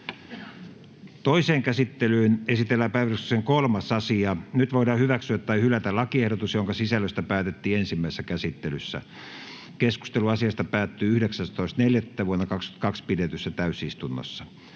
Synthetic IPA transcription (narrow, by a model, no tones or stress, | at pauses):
t̪oiseːŋkæsit̪ːelyːnesit̪elːæːpæiʋælysseŋkolmɑsɑsiɑnyt̪ʋoidɑːhyʋæksyæt̪ːɑihylæt̪ælɑkiehɾot̪usjoŋkɑsisælːøst̪æpæːt̪et̪ːiːensimːæisesːækæsit̪ːelysːæ̰ | kesku̥st̪eluɑsiɑst̪ɑpæːt̪ːyːyhdeksæst̪oist̪neljæt̪ːæʋuonːɑkɑkst̪u̥ɑ̥t̪kɑkspidet̪ysːæt̪æysist̪unːo̰sːɑ